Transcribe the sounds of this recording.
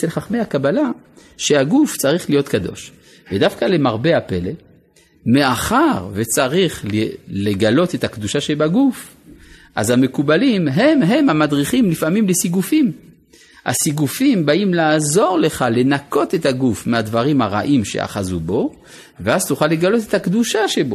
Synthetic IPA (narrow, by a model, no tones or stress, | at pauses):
elχaχmehakabala | ʃehaɡuft͡saʁiχlijot̪kad̪o̞̰ʃ | vedafkale̞maʁbeape̞le̞l | me̞aχaʁvet͡saʁiχlele̞ɡalo̞t̪ethakd̪uʃaʃebaɡuf | ʔa̰zame̞kubalimɦe̞mɦe̞mhamadʁiχimlifamimlesiɡufim | a̰siɡufimbaʔimlaːzo̞ʁle̞χale̞nako̞t̪e̞thaɡufmeadvaʁimhaʁa̰ʔimʃḛa̰χazubo̞ | veazt̪uχalːe̞ɡalo̞t̪ethakd̪uʃaʃebo̞